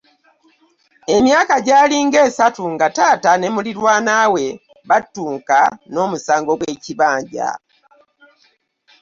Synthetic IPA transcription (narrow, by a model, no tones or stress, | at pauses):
e̞mjaːkaɟaːliŋɡe̞ːsatuŋɡataːtane̞muliɾwaːnaːwe̞ | βatːuːŋkano̞ːmusaːŋɡo̞ɡwe̞ciβaːɲɟa̰